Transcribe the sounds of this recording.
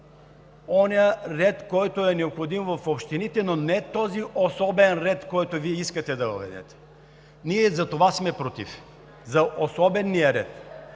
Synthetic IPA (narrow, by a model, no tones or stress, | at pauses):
ɔniəɾɛt̪kɔjt̪oɛnɛopxod̪imvɐfopʃt̪init̪ɛnonɛt̪ɔziʔosɔbɛnɾɛt̪kɔjt̪oviɛiskɐt̪ɛd̪ɐvəvɛ̰d̪ɛ̰t̪ɛ̥ | niɛzɐt̪ovasmɛpɾot̪ḭf | zɐʔosɔbɛnːijəɾɛt̪